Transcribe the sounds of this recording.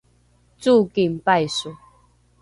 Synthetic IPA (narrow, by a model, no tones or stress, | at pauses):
t͡sukimpajsu